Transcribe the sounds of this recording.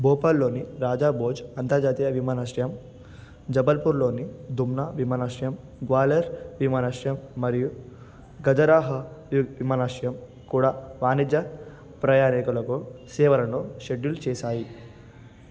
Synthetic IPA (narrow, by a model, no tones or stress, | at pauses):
boːpaːllo̞ːniɾaːd͡ʒaːboːd͡ʒɐnt̪ɐɾd͡ʒaːt̪ijɐʋimaːnaʂjɐm | d͡ʒɐbɐlpuɾlo̞ːnid̪umnaːʋimaːnaːʂjɐm | ɡʋaːleɾʋimaːnaːʂjɐmːɐɾiju | ɡɐd͡ʒɐɾaːɦɐʋimaːnaːʂɐjɐm | kuːɽaːʋaːnid͡ʒ̪jɐ | pɾɐjaːnikulɐkusɛːʋɐɾɐnoʃeɖult͡ʃɛːʃaːji